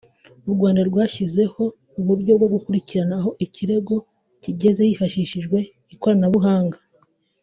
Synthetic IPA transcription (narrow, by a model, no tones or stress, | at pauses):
uɾɡwaːndaɾɡwaːçize̞ho̞ | uβuɾɟo̞bɡo̞ɡukuɾiciɾanaɦo̞ʔiciɾe̞ɡo̞ | ciɟe̞zejifaʃiːʃiʒɡwe̞ | iko̞ɾanaβuɦaːŋɡa